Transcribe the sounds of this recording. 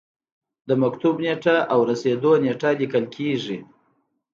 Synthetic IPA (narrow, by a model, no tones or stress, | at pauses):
d̪əmakt̪ubneʈaʔawɾased̪oneʈalikəlkʰeʐi